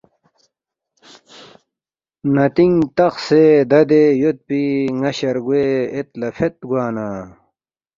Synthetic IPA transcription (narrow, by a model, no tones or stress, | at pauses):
nɐt̪iŋt̪ɐxseːd̪ɐd̪ejot̪̚piŋɐɕɐɾɡueːet̪lɐfʰet̪̚ɡwaːna